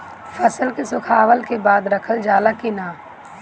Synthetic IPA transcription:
fʰəsəlkesʊkʰaːʋəlkebaːd̪ɾɐkʰəld͡ʒaːlakinaː

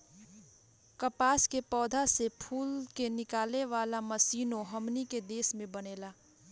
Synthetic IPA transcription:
kəpaːskepɔːd̪ʱasepʰuːlkenɪkaːleʋaːlaməsiːnõɦɐmniked̪eːsmẽbəneːlaː

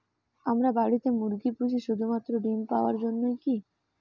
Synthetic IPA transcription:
amɾabaɽit̪emuɾɡipɾut͡ɕiʃud̪ʱumat̪ːɾoɖimpa̰oaɾd͡ʑonːojki

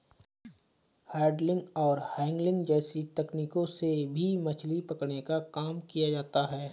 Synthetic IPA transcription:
hɛːɖlɪ̃ŋɡɔːɾhɛ̃ːŋɡlɪ̃ŋɡd͡ʒɛːsit̪ɛkniːkõsebʱimɐt͡ʃʰlipɐkɽnekakaːmkijad͡ʒaːt̪aɦɛː

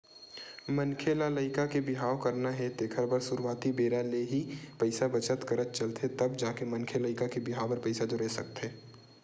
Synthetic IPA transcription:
mɐnkʰelaləɪkakebɪɦaːokɐɾnaɦɛt̪eːkʰəɾbəɾsuɾuwaːt̪ibeːɾaleɦipɐɪsabɐt͡ʃət̪kɐɾət̪̚t͡ʃɐlt̪ʰet̪ɐbd͡ʒaːkemɐ̃nkʰeləɪkakebɪɦaːobɐɾpəɪsad͡ʒoɾɛɦsɐ̰k̚t̪ɦɛː

